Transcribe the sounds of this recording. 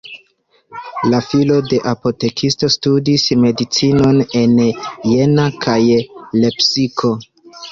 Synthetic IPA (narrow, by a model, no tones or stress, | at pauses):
lafilo̞de̞ʔapo̞te̞kʰisto̞studisme̞dit͡sino̞ne̞nje̞nakʰajle̞psikʰo̞